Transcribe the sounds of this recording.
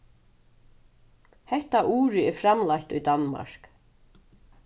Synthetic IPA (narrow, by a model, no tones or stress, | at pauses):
hɛht̪aʔuːɾɪɛɾfɾamlajht̪ujd̪anːma̰ɹ̥k